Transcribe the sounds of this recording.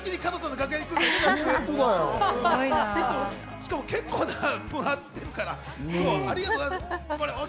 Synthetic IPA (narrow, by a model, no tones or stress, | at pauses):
kʲiɲikanosãnd̪ɡakɯ̟eɲʲikɯ̟ekenat̪od̪ajoɯ̃t̪eit̪ːoo | ɕi̥kamo̞ke̞kːo̞ːd̪amɯat̪ːe̞ɾɯ̟kaɾa | soaɾʲiɡat̪ozkoɾeo